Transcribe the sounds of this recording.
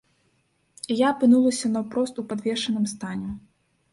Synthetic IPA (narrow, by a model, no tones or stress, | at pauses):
ijaːpɨnulˠɐsʲɐnɐwpɾɔst̪upad̪vʲɛʂɐnɨmst̪anʲɛ